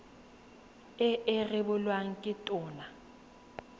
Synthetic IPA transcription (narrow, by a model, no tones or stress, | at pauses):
ɪɪrɪbʊlwaŋ̩kʼɪtʼʊːna